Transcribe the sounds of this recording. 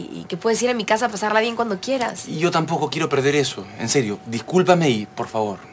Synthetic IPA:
ḭke̞pwe̞ðe̞s̬iɾamikasapasaɾlaβje̞ŋkwand̪o̞kje̞ɾa̰siʝo̞t̪ampo̞ko̞kje̞ɾo̞pe̞ɾðe̞ɾe̞soḛnse̞ɾjod̪ihkulpame̞ipo̞ɾfaβo̞ɾ

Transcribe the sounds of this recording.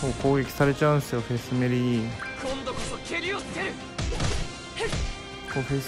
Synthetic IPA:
oːko̞ːɡʲekʲi̥saɾe̞t͡ɕaɯ̃ñsɨjoɸesɨmeɾiikõnd̪okot̪okʰeɾʲoe | koɸe

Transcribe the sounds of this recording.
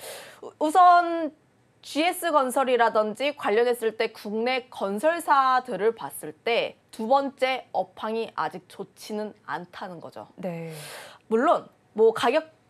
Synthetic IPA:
usʰʌn | t͡ɕie̞s͈ɯɡʌnsʰʌɾiɾadɯnd͡ʑikwaʎːʌnɦe̞s͈ɯɭt͈e̞kuŋne̞kʌnsʰʌɭsʰadɯɾɯɭpas͈ɯɭt͈e̞tubʌnt͡ɕ͈e̞ʌpʰaŋiʔad͡ʑik̚t͡ɕot͡ɕʰinɯna̰ntʰanɯnɡʌd͡ʑo̰ne | muɭːon | mwʌkaɡjʌk̚

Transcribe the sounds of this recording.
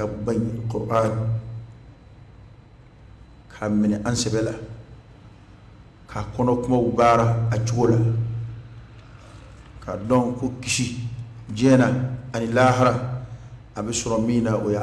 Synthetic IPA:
kabãɲkɔpaː | kʰamɪnɪʔansɛbɛla | kʰakɔnɔkʊmawubaːɾaat͡ʃuɡola | kʰadɔŋkokisid͡ʒɛːnaanɪlaːɦaɾa | abɛsʊɾɔmiːnaʔoja

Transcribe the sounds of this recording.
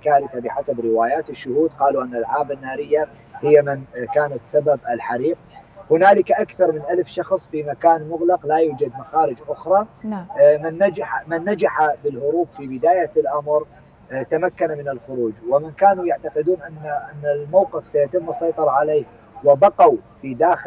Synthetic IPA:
kaːɾɪθabɪħasabɾɪwaːjaːt̪ɪʃːʊhuːd̪qɑːluʔɪnːalʕaːbanːaːɾɪjːa | hɪjːamɪnkaːnat̪sababʔɪlħaɾiːq̚hʊnaːlɪkaʔakθɑɾˤmɪnʔalfʃɑxsˤfimakaːnmʊɣlɑqlajuːd͡ʒad̪maxaːɾɪd͡ʒʔʊxɾˤɑ | nːaaħamɪnːad͡ʒaħabɪlhʊɾuːbfibɪd̪aːjalʔamɾ | t̪amakːanamɪnɪlxʊɾuːd͡ʒwɪmɪnkaːnujaʕt̪aqɪd̪uːnʔanːaʔɪnːalmawqɪfsajat̪ɪmːɨsˤːɑjt̪ˤɑɾˤɑʕaleːh | wɪbɑqawfid̪aːx

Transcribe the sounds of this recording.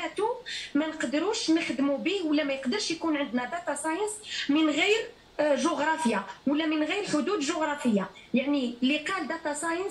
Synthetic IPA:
æt̪umænəqd̪əɾuʃnəxd̪mubihwəlːæmæjəqd̪əɾˤʃjkunʕənd̪næd̪ɑt̪ɑsɑjənsmənɣijɾ | ʒʊɣɾˤɑfəjawəlːæmənɣijɾħʊd̪ud̪ʒʊɣɾˤɑfəjːajaʕniliqɑld̪ɑt̪ɑsɑjən

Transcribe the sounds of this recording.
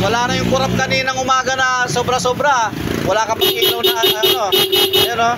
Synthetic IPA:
wɐlaːnɐjʊŋkʊɾap̚kɐniːnɐŋʔʊmaːɡɐnɐsoːbɾɐsoːbɾɐwɐlaːkɐpɐɡʔilɐwnɐɐɐnoʔɐno

